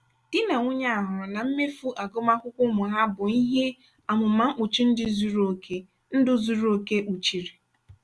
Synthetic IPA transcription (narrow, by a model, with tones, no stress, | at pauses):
d̥i˦na˨ŋʷʊ˦ɲa˦a˨ɦʊ˨na˨m̩˦me˦fu˦ʔa˨ɡo˦ma˦kʷʊ˦kʷʊ˦mʊ˨ɦa˦bʊ˨i˦ɦe˦ | a˨mʊ˨ma˨ŋ͡m̩˦k͡pʊ˨t͡ʃi˦n̩˦dɪ˦zu˨ɾo˨kʰe˦ | n̩˦dʊ˦zu˨ɾo˨ke˦ʔu˨t͡ʃi˨ɾi˨